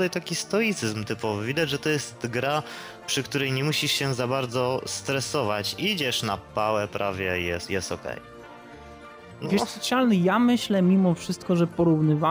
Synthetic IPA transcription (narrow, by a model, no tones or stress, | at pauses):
t̪ajt̪akʲist̪ɔit̪sɘzmt̪ɘpɔvɘvʲid̪ad͡ʑʐɛt̪ɔjɛst̪ɡɾa | pʂɘkt̪uɾɛjɲɛmuɕiʂɕɛzabaɾd̪zɔst̪ɾɛsɔvat͡ɕid͡ʑɛʂnapawɛpɾavʲjɛjɛsjɛst̪ɔkɛ̰j | nvjɛʂɔt̪sʲjalnɘjamɘɕlɛmʲimɔfʂɘst̪̚kɔʐɛpɔɾuvnɘva